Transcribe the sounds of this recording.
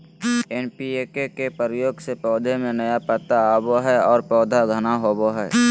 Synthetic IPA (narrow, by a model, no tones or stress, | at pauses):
eːnpiekekepəɾjoːɡsepɔːd̪ʱemẽnəjapət̪aaboɦɛɔːɾpɔːd̪ʱaɡʱənaɦoːboɦɛː